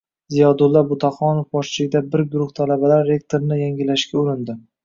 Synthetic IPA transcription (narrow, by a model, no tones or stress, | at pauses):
zijɒd̪ʊlˠːabʊt̪ʰaχɒnofbɒʃt͡ʃɪlɪɡʲd̪abɪɾɡʊɾʊχt̪ʰalabalaɾːe̞k̚t̪ʰoɾnɪjaŋʲɪlaʃkʲaʊɾɪnd̪ɪ